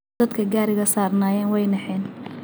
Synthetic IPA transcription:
ɐd̪kʰɐɡaːɾɪɣɐsaːrnaːjɛːnwɛjnɐħɛːn

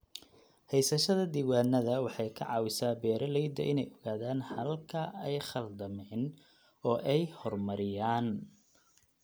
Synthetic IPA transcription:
hɛjsɐʃɐðɐd̪iːwaːnɐðɐwɑħɑjkʰɐ̰ʕɑːwɪsaːbɛːɾɐlɛjd̪ɐ̰ʔɪnɛjɔɣaːðaːnhɐlkʰɐɛjχɐld̪ɐmɛn | ɔːʔɛjhɔrmɐɾɪjaːn

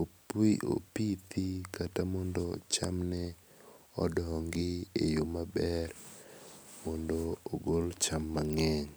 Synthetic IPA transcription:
opiʔo̰pit̪ikatamɔndɔt͡ʃamnɛ | ɔ̰dɔŋɡɪejomabɛɾ | mɔndooɡolt͡ʃamːaŋɛŋ

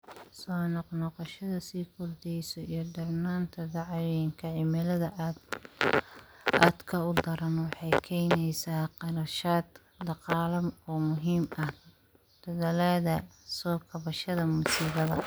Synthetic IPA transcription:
sɔːnɔqnɔqɔʃɐðɐsiːkʰʊrd̪ɛjsɔijɞɖɐrnaːnt̪ʰɐd̪ɑʕjɪŋkʰɐʕɪmɛlɐðɐʔ̪ | aːd̪kʰɐʊd̪ɐɾɐnwɑħɑjkʰɛjnɛjsaːqɑɾɐʃaːd̪ | d̪ɑqɑːlɐmɔːmʊɦiːmɐh | d̪̥ʰɔðɐlaðɐsɔːkʰɐβɐʃɐðɐmʊsiːβɐðɐ

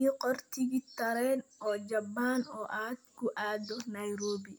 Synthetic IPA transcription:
ɔqɔrt̪ʰɪɣɪt̪ːɐɾɛːnɔːd͡ʒɐbːaːnɔːʔaːd̪̚kʰʊʔaːd̪ɔnɐjɾoːbi

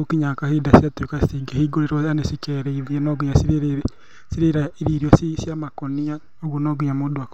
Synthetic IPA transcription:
okiɲakahedasiatekasiɡehiɡoɾeɾɔanesikɛɾɛiðɛnɔɡiɲasiɾeɾe | siɾeɾaeɾiːɾiɔsisjamakonia | oɣwonɔɡiɲamoːdoak

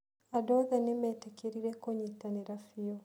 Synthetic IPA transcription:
adɔðanemetakiɾiɾekoɲitaniɾafijo

